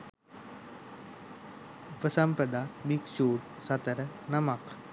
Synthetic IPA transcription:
upɐsɐmpɾɐd̪aːbikʃuːʈsɐt̪ɐɾɐnɐmɐq

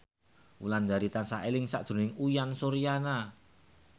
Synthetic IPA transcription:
uland͡ʒaɾit̪ansaʔelɪŋsa̰ʔdʒ̥ṳnɪŋujansoɾijana

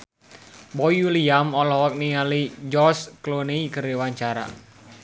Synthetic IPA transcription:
bɔiuliamɔlɔwɔk̚niŋalid͡ʒɔskloneikəriwaɲt͡ʃaɾa̰

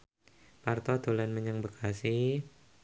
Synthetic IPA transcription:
part̪ɔd̪olanməɲəŋbəkʰasi

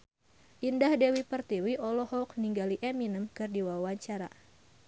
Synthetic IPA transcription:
ʔindahdewipərt̪iwiʔɔlɔhɔk̚niŋɡaliʔɛminəmkɨrdiwawaɲt͡ʃaɾa̰

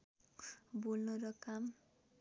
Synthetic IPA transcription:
bulnʌɾʌkam

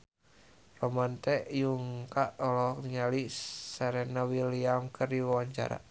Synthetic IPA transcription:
rɔmant̪ɛjuŋkaʔɔlɔk̚niɲalisɛɾɛnawiliamkʰɨrdiwawaɲt͡ʃa̰ɾa̰

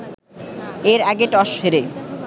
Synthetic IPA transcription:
eɾɛɡeʈɔʃheɾe

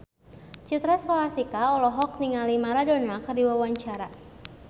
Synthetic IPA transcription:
t͡ʃit̪ɾaskolasikaɔlɔɦɔk̚niŋalimaɾadonakərdiwawaɲt͡ʃaɾa

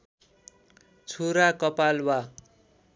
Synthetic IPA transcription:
t͡sʰuɾakʌpalwa

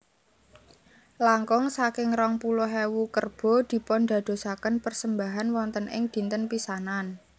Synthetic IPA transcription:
laŋkɔŋsakɪŋrɔŋpulʊɦewukərb̥ɔ̤d̪̥i̤pɔnɖ̪a̤d̪̥o̤sakənpərsəmbaɦanwɔnt̪ənʔɪ̰ŋd̪̥i̤nt̪ənpisanan

